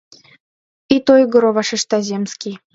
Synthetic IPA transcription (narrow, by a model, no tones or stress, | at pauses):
it̪ojɡŏɾoβɑʃeʃt̪ɑzʲemskʲij